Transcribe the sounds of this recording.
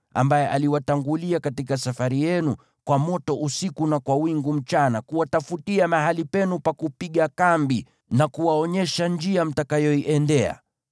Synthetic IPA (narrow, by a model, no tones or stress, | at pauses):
a̰mbajɛʔaliwataŋɡuliakatikasafaɾijɛnu | kwamɔtɔʔusikunakwawiŋɡum̩t͡ʃanakuwatafutiamaɦalipɛnupakupiɠakambi | nakuwaɔɲɛʃand͡ʒiam̩takajɔiʔɛndɛa̰